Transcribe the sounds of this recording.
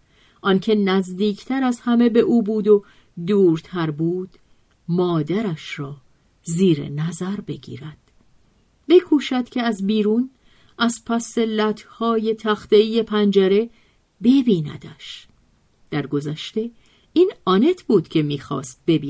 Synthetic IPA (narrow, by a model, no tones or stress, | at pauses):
ʔɒncʰe̞næzd̪iːcʰt̪ʰæɾæzhæme̞be̞ʔuːbuːd̪o̞ | d̪uːɾt̪ʰæɾbuːd̪̥ | mɒːd̪æɾæʃɾɒː | ziːɾḛnæzæɾbe̞ɡḭːɾæd̪̥ | be̞kʰuːʃæd̪̥cʲʰe̞æzbiːɾuːn | ʔæz̥pʰæselæt̪ʰhɒːje̞t̪ʰæxt̪eije̞pʰænd͡ʒæɾe̞ | be̞biːnæ̰d̪̥æʃ | d̪̥æɾɡo̞zæʃt̪e̞ | iːnɒːne̞t̪ʰbuːd̪̥cʰe̞miːxɒ̰ːst̪̚be̞bi